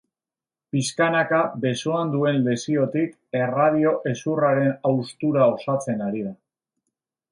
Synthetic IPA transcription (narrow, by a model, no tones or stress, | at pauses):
piskanakabe̞soand̪ue̞nle̞sio̞t̪ik | e̞rað̞io̞ʔe̞suraɾe̞nawst̪uɾao̞sat͡se̞naɾiða